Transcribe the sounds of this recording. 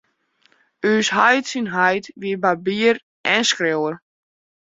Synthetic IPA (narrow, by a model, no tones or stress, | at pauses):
yːsɦajtsinɦajtʋiəbabiər | ʔɛnskrewər